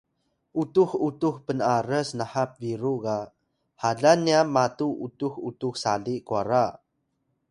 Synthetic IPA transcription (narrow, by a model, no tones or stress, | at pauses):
ʔutuħutuxpənaɾəsnaħap̚viɾuɡa | haɮanːiamatuʔutuxutuxsaɮiʔkua̰ɾa